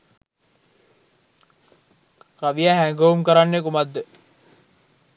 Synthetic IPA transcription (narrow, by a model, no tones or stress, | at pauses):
kaʋijaɦæŋɡoumkəɾanːekumad̪ːə